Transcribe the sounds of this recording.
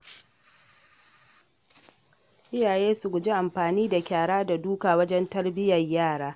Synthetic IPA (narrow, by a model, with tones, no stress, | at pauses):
ʔɪ˦jaː˨jeː˦su˨ɡʷʊ˨d͡ʒi˦ʔa˨mɸaː˨niː˦da˨kʲaː˨ɽaː˦da˨duː˦kaː˨wɐ˦d͡ʒɛ˦ntɐ˦rbɪ˦jɐ˨rjaː˦˨ɽaː˦